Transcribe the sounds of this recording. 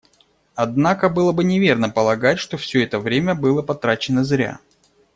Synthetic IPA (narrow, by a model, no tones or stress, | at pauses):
ɐd̪nakəbɨlˠəbɨnʲɪvʲe̞rnəpəlˠɐɡatʲʂt̪ofsʲɵɛt̪əvɾʲemʲəbɨlˠəpɐt̪ɾat͡ɕɪnəzɾʲa̰